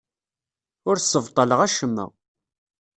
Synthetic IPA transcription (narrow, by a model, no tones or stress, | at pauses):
ʊɾsːəvt̪ˤːɑləʁæʃəmːə̰ʁ